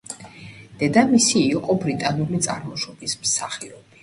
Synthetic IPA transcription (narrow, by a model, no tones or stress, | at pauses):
d̪̥ɛd̪amisiːqʼɔbɾit̪ʼanulit̪sʼaɾmɔʃɔbismsaχiɔb̥i